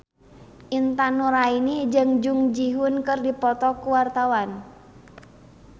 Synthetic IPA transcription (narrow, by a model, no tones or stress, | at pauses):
ʔint̪anuɾainid͡ʒəŋd͡ʒʊŋd͡ʒiɦʊnkərdipɔt̪ɔkuwart̪awan